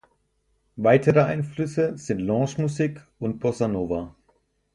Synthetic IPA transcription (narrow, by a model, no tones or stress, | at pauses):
vaɪtʰəʁəaɪnflʏsəz̥ɪntlɑ̃ːʃmuziːkʊnt̚b̥ɔsanoːva